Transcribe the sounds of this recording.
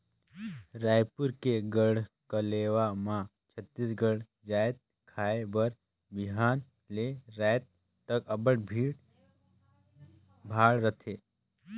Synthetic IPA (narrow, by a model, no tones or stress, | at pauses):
ɾaːjpʊɾkeɡəɽ̤ | kəleːwamã | t͡ʃʰət̪ːisɡəɽ | d͡ʒaːet̪̚ | kʰaːebəɾ | bɪɦaːn | leɾaːjt̪̚ː | əkəbəʈbʱiːɽ | bʱaːɽɾət̪ʰeː